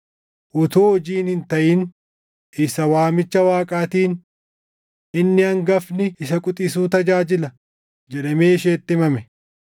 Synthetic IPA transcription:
ʔʊt̪oːɔd͡ʒiːnhɪnt̪ɐʔɪn | ʔɪsɐwaːmɪt͡ʃːɐwaːkʼaːt̪iːn | ɪnːɪɐŋɡɐfnɪɪsɐkʼʊt̪ʼɪsuːt̪ɐd͡ʒaːd͡ʒɪlɐ | d͡ʒɛᶑɐmeːɪʃeːt̪ːɪmɐmɛ

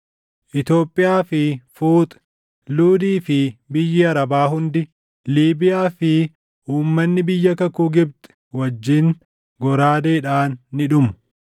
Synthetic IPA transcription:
ʔɪt̪jo̞ːpʼːɪjaːfɪfuːt̪ʼ | luːd̪iːfɪbɪjːɪɐɾɐbaːɦʊnd̪ɪ | liːbɪjaːfɪ | uːmːɐnːɪbɪjːɐkɐkuːɡɪbt̪ | wɐd͡ʒːɪŋ | ɡɔɾaːd̪eːᶑaːnːɪᶑʊmʊ̥

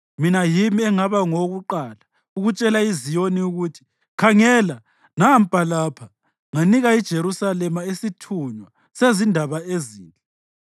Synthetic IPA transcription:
minajimiɛŋaβaŋoɣuǃaːla | uɣut͡ʃʼɛlaizijoniuɣutʰi̥ | kʰaŋɛːla | nam̩pʼalaːpʰa | ŋaniɣaid̥ʒ̥ʱeɾusalɛmaisitʰuɲwa | sezindʱaβaeziːnd͡ɮʱʼɛ

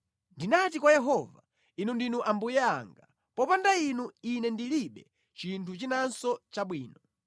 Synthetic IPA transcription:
ndinat̬ikwajɛɦɔva̰ | inundinuʔambujɛa̰ŋɡa | pɔpandainuinɛndiliɓɛ | t͡ʃintʰut͡ʃinansɔt͡ʃaɓwiːnɔ

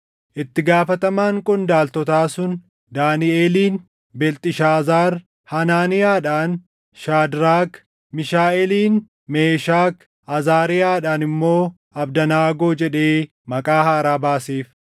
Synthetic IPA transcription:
ʔɪt̪ːɪɡaːfɐt̪ɐmaːŋkʼʊnd̪aːlt̪ɔt̪aːsʊn | d̪aːnɪʔeːliːn | bɛlt̪ʼɪʃaːzaːɾ | hɐnaːnɪjaːᶑaːn | ʃaːd̪ɾaːk | mɪʃaːɛliːn | meːʃaːk | ʔɐzaːɾɪjaːᶑaːnɪmːo̞ː | ɐbd̪ɐnaːɡo̞ːd͡ʒɛᶑe̞ː | mɐkʼaːhaːɾaːbaːseːf

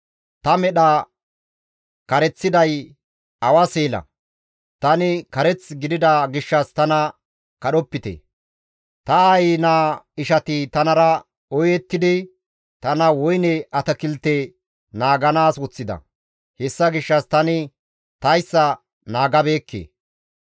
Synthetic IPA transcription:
t̪ɐmɛɗɐ | kɐɾɛt͡sːɪd̪ɐj | ɐwɐseːlɐ̰ | t̪ɐnɪkɐɾɛt͡sɡɪd̪ɪd̪ɐɡɪʃːɐst̪ɐnɐ | kɐɗɔpːɪt̪ḛ | t̪ɐajinaːɪʃɐt̪ɪt̪ɐnɐɾɐ | ɔjɛt̪ːɪd̪ɪ | t̪ɐnɐwɔjnɛʔɐt̪ɐkɪlt̪e | naːɡɐnaːswɔt͡sːɪd̪ɐ̰ | hɛsːɐɡɪʃːɐst̪ɐnɪ | t̪ɐjsːɐ | naːɡɐbe̞ːkːḛː

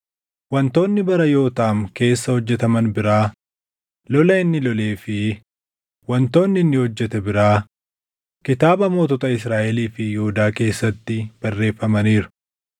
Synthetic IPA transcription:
wɐnt̪o̞ːnːɪbɐɾɐjo̞ːt̪aːmke̞ːsːɐhɔd͡ʒːɛt̪ɐmɐnbɪɾaː | lɔlɐɪnːɪlɔleːfɪ | wɐnt̪o̞ːnːɪɪnːɪhɔd͡ʒːɛt̪ɛbɪɾaː | kɪt̪aːbɐmoːt̪ɔt̪ɐɪsɾaːʔɛliːfɪjɛhʊd̪aːke̞ːsːɐt̪ːɪb̥ɐrːe̞ːfːɐmɐniːɾʊ̥

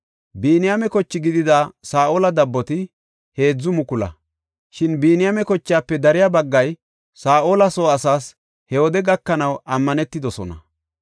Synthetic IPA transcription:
biːnɪjamɛkɔt͡ʃːɪɡɪd̪ɪd̪asaːʔoːlɐd̪ɐbːɔt̪ɪ | he̞ːd͡zːʊmʊkʊlɐ̰ | ʃɪnbiːnɪjaːmɛkɔt͡ʃːjaːpːɛd̪ɐɾɪjabɐɡːɐj | saːʔoːlɐsoːɐsaːs | hɛwɔd̪ɛɡɐkːɐnɐwʔɐmːɐnɛt̪ːɪd̪ɔsɔnɐ

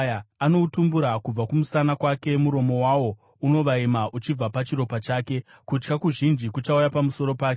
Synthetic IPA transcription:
aano̞utumbuɾakub͡vakumusanakwake̞muɾo̞mo̞waːwo̞ | uno̞ʋaimaʔut͡ʃib͡vapat͡ʃiɾo̞pat͡ʃaːke̞ | kut͡ʃkakuʒind͡ʒikut͡ʃaujapamuso̞ɾo̞paːke

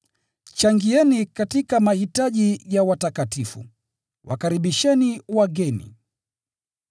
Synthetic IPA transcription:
t͡ʃaŋɡiɛnikatikamahitaʄijawatakatifṵ | wʔa̰kaɾiɓiʃɛniwaɡɛnḭ

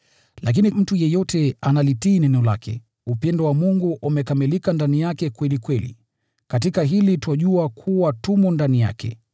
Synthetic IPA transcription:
lak̬inim̩tujɛjɔtɛanalitiːnɛnɛɔla̰kʰɛ̰ | upɛndɔwamuŋɡuʔumɛkamilikandanijakɛkwɛlikwɛlḭ | kat̬ikaɦilitwaʄuakʰuwatumɔndanija̰kɛ̰

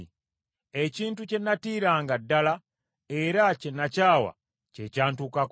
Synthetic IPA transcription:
eciːntucenːatiːɾaːŋɡadːala | eɾacenacaːwa̰ | cecaːntukak

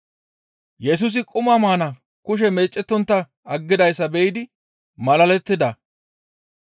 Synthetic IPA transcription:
jɛs̬ʊs̬ɪkʼʊmɐmaːnɐ | kʊʃ̬ɛmeːt͡ʃʼːɛt̪ːɔnt̪ːɐ | ɐɡːɪd̪ɐjsːɐbɛɪd̪ɪ | mɐlɐlɛt̪ːɪd̪ɐ

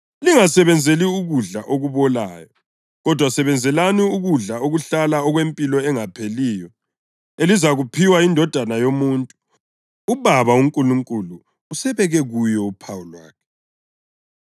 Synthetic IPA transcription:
liŋasɛβɛnd͡zʱeliuɣuɮaʔoɣuβɔla̰ːjɔ | ɣɔd̥ʱwasɛβɛnd͡zʱɛlaniuɣuɮaoɣuɬalaɔɣwempʼilɔɛŋapʰeliːjɔ | elizaɣupʰiwaindʱɔd̥ʱanajomuːntʼu | uβaβauŋkʼuluŋkʼuluː | sɛβɛɣɛɣujɔupʰawulwa̰ːkʰɛ̥

